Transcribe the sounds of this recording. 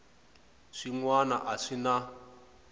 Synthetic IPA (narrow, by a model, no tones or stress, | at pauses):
ʂiŋwana̰ʔaʂina